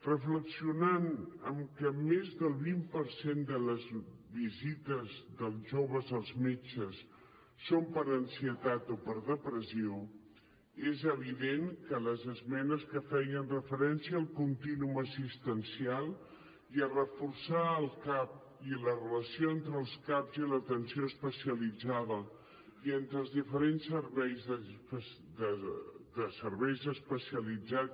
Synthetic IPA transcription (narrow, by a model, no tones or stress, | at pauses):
rəfləksiunanəmkəmezðəlˠβimpəɾsend̪ələzβizit̪əzðəlˠʒoβəzəlˠzmet͡ʃəsː | ompəɾənsiət̪at̪opəɾðəpɾəsio | ezəβ̞iðeŋkələzəzmɛnəskəfɛjənrəfəɾɛnsiəːlˠkunt̪inuməsist̪ənsialˠ | iərəfursaəlˠkap̚ | ilərələsioent̪ɾəlˠskapzilət̪ənsioəspəsiəlid͡zaðə | ient̪ɾəlˠzðifəɾensːəɾβɛjzðəpə | d̪əd̪əsəɾβɛjzəspəsiəlid͡za